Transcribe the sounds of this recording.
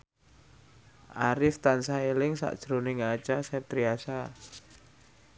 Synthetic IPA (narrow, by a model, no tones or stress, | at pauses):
ʔaɾɪft̪ansaelɪŋsa̰ʔd̥ʒ̥ɾonɪŋat͡ʃasɛt̪ɾiasa